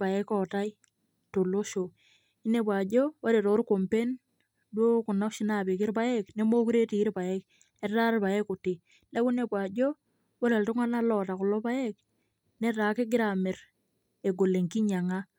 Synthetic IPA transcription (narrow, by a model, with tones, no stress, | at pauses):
pa˨jɛ˦kɔ˨ta˦j | to˨lo˦ʃo˨ | i˦ne˦˨pwa˨d͡ʒo˦wa˦ɾe˨ɾo˨˦ɾko˨mpe˦n | dwo˦ku˨nɔ˦kʃi˦na˨bi˨kɪ˦ɾpa˦jɛ˦kne˦mo˦ku˦ɾe˦ti˨˦ɾpa˨ɛ˦k | ɛ˦rta˦ɾpa˨jɛ˦ku˨ti˨ | ne˦ku˦ne˨pwa˨d͡ʒo˦ | wo˦ɾe˨ltʊ˦ŋa˦na˦lɔ˨ta˨kʊ˨lɔ˦pa˦jɛ˦k | ne˦ta˨ke˦ɡɪ˦ɾa˨mɪ˨ɾ | e˨ɡo˨le˨ŋki˦ɲa˨ŋa˦